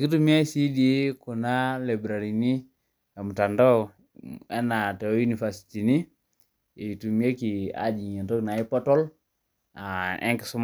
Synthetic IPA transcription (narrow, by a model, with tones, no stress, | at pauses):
ki˦tu˦mi˦a˦si˦di˦ku˨na˦le˨bɾa˨ɾi˨ni˦ | ɛ˨mu˨ta˨ndo˦ | ɛ˦na˨tɛ˨o˦ju˦ni˨fa˨si̥˨ti˨ni˦ | i˨tu˨mi˦e˦ki˨a̰˨d͡ʒi˨ɲɛ˨nto˦kna˨i˦pɔ˦tɔ˦l | a˨ʔɛ̰˦ŋki̥˨su˦m